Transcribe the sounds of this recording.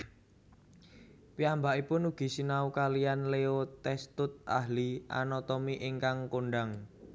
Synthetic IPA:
piambaʔipʊnuɡ̥i̤sinaukalijanleot̪ɛst̪ʊt̪̚ʔa̰ɦliʔa̰nɔt̪ɔmiʔɪŋkaŋkoɳɖaŋ

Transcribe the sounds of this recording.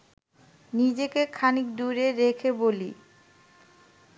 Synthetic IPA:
nid͡ʑekekʰanik̚d̪uɾeɾekʰebolḭ

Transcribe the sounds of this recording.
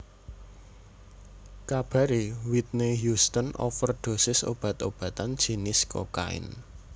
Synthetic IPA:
kab̥ä̤ɾiwit̪̚neɦjust̪ənɔ̰fərd̪̥o̤sɪso̰b̥ä̤t̪ob̥a̤t̪and̥ʒ̥i̤nɪsko̰ka̰ɪ̰n

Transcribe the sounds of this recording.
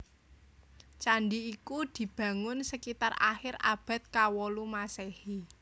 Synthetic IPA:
t͡ʃaɳɖiːkud̪̥i̤b̥ä̤ŋʊnsəkit̪ara̰xɪɾa̰b̥a̤t̪̚kawɔlumasehi

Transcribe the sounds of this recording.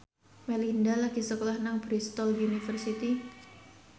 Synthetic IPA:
melindalaɡ̥isəkolahnaŋbɾist̪ɔliunifərsit̪i

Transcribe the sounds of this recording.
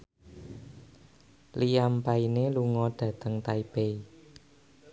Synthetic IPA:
lijampaineluŋɔɖ̥ä̤t̪əŋt̪aib̥ei

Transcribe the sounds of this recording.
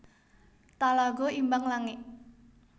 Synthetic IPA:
t̪alaɡɔimbaŋlaŋɪʔ

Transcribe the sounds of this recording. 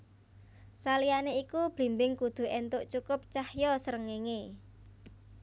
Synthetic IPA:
salianeikub̥i̤mbɪŋkud̪̥ṳɛnt̪ʊʔt͡ʃukʊp̚t͡ʃahjɔsəɾəŋeŋe

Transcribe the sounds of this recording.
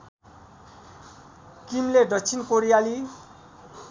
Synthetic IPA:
kimledʌkt͡sʰinkoɾijali

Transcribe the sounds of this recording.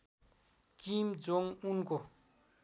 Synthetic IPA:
kimd͡zoŋunko

